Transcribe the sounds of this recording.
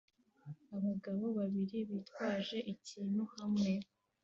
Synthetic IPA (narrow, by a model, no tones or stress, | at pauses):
aβaɡaβo̞βaβiɾiβiːtwaːʒe̞ʔiciːn̥huhamŋe̞